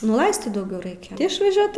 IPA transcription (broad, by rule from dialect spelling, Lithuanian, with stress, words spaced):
nʊ ˈlˠɐɪsʲtʲiːt dɐʊˈɡʲɛʊ ˈrɐɪkʲɛ ɪʃʋɐˈʒʲuɔt